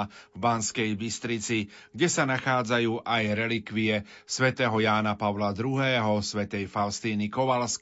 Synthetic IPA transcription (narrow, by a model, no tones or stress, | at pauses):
vbaːnskɛjbist̪ɾit͡si | ɡɟɛsanaxaːd͡zajuːʔajɾɛlikʋiɛ | sʋɛt̪ɛːɦɔjaːnapaʋlad̪ɾuɦɛːɦɔsʋɛt̪ɛjfaʊst̪iːnikɔʋalsk